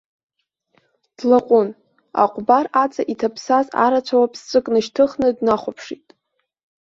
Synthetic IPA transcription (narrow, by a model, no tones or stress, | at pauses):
d̥laqʷʼʊn | a̰qʷʼbarat͡sʰʼaʔitʰapʰsaza̰ɾat͡ʃʷʰawapʼst͡sʷʼɨkʼnɨʃtʰɨχnɨdnaχʷapʰʂitʼ